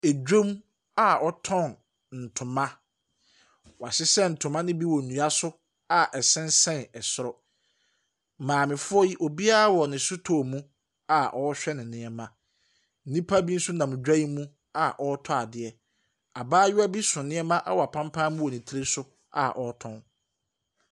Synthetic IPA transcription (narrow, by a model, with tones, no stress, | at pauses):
e˨d͡ʑᶣõ˦m | a˦ɔ˦tʰɔ̃˦˨n | n̩˨tʰʊ̃˨mã˦ | wɔ˨a˨ɕɪ˦sɛ˦n̩˨tʰʊ̃˨mã˦nɪ̃˦bi˦wɔ˨n̩˨nũ˨a˦sʊ˦ | a˨ʔɛ˨sɛ̃˦n˦sɛ̃˦˨nɛ˨sʊ˦ɾɔ˦ | mãː˨mɪ̃˨fʊ˦ɔ˦ji˦ʔo˨bi˦a˦wɔ˨nɪ̃˨sʊ˦tʰo˨mũ˦ | a˨ʔɔ˦ɕᶣɛ˦nɪ̃˨nɪ̃˦ɛ˦mã˨ | n̩˦nĩ˦pʰa˦bi˦n̩˦sʊ˦nã˨mʊ̃˨d͡ʑᶣa˦i˦mũ˦ | a˨ʔɔ˦tʰɔ˦a˨dɪ˨ɛ˨ | a˨baː˦jɪ˦a˦bi˦sʊ̃˨nɪ̃˦ɛ˦mã˦ʔa̰˦wɔ˨a˨pʰã˦m˦pʰã˦mũ˦wɔ˨nĩ˨tʰi˦ɾe˦sʊ˦ | a̰˨ʔɔ˨˦tʰɔ̃˦n